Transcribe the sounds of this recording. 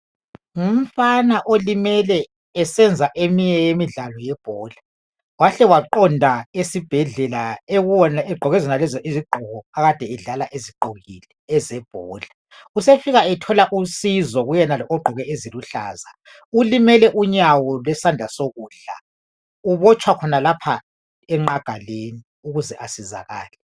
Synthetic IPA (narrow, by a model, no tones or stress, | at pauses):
um̩fanaʔolimɛlɛː | sɛnd͡zʱaʔemiɲɛjemiɮalɔjɛb̥ʱɔːɮḁ | waɬɛwaǃɔndʱaesib̥ʱɛɮɛlaeɣuɔnaɛɡ͡ǃʱɔɣɛzɛnalɛzɔʔiziɡ͡ǃʱɔɣɔaɣad̥ʱɛːɮalaʔeziɡ͡ǃʱoɣḭlɛːzɛb̥ʱɔːɮa | usefiɣaɛtʰɔlaʔusizɔɣujɛnalɔʔɔɡ͡ǃʱɔɣɛʔeziluɬa̰ːza | ulimɛlɛʔuɲawɔlwɛsandʱasoɣuːɬa̰ | uβɔt͡ʃʰʼwakʰɔnalapʰa | ɛŋ͡ǃaɡ̥ʱaleni | uɣuzɛʔasiza̰ɣa̰ːlɛ